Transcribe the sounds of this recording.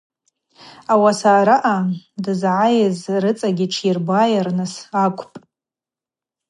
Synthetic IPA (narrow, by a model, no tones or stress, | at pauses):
awasaːɾaʔadɨzʕajɪzrɨt͡sʼaɡʲɪʈ͡ʂʰirbajarnɨsakʷʰʼpʼ